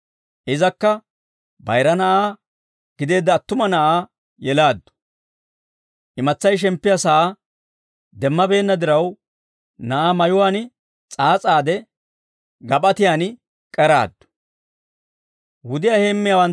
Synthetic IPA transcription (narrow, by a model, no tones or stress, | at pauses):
ʔɪzɐkːɐ | bɐ̰jɾɐnɐʔaː | ɡ̥ɪd̪e̞ːd̪ːɐːt̪ːʊmɐnɐʔaː | jɛlaːd̪ːʊ̥ | ʔɪmɐt͡sːɐjʃ̬ɛmpːɪjɐsɐʔaː | d̪ɛmːɐbe̞ːnːɐd̪ɪɾɐw | nɐʔaːmɐjʊwaːnɪ | t͡sʼaːt͡sʼaːd̪ɛ | ɡɐpʼɐt̪ɪjaːn | kʼɛɾa̰ːd̪ːʊ̥ | wʊd̪ɪjahe̞ːmːɪjaːwɐn